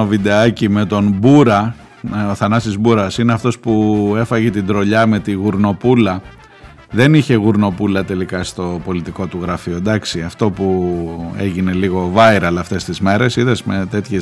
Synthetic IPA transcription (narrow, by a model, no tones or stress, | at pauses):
ovid̪e̞ɐcime̞t̪o̞nbuɾɐ | o̞θɐnɐst̪izbuɾɐsineɐft̪o̞spue̞fɐʝet̪ind̪ɾo̞ʎɐme̞t̪iɣuɾno̞pulɐ | ðe̞niçe̞ɣuɾno̞pulɐt̪e̞likɐst̪o̞po̞lit̪iko̞t̪uɣɾɐfio̞d̪ɐksiɐft̪o̞pue̞̰ʝine̞liɣo̞vɐiɾɐlɐft̪e̞st̪izme̞ɾe̞siðezme̞t̪e̞t̪çe